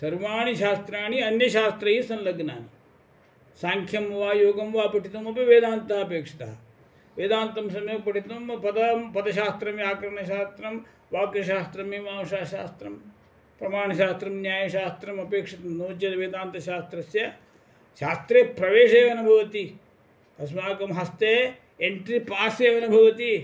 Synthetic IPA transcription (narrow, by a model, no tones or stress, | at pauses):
sɐɾʋaːɳiʃaːst̪ɾaːɳiɐnjɐʃaːst̪ɾɐɦisɐnlɐɡnaːni | saːŋkʰjɐmʋaːjoːɡɐmʋaːpɐʈit̪ɐmɐpiʋeːd̪aːnt̪ɐɦɐɐpeːkʂɐ̥t̪ɐɦɐ | ʋeːd̪aːnt̪ɐmsɐmjoːpɐʈit̪ɐmpɐd̪ɐmpɐd̪ɐʃaːst̪ɾɐmjaːkɾɐɳɐʃ̬aːst̪ɾɐm | ʋaːɡjɐʃaːst̪ɾɐmiːmaːʋɐʃaːʃaːst̪ɾɐm | pɾɐmaːɳɐʃaːst̪ɾɐmnjaːjɐʃaːst̪ɾɐmɐpeːkʂɐt̪ɐmnoːd͡ʒjɐd̪ɐʋeːd̪aːnt̪ɐʃaːst̪ɾɐsjɐ | ʃaːst̪ɾeːpɾɐʋeːʂeːʋɐnɐbʱɐʋɐt̪i | t̪ɐs̬maːkɐmɦɐst̪eː | eɳʈɾipaːseːʋɐnɐbʱɐʋɐt̪i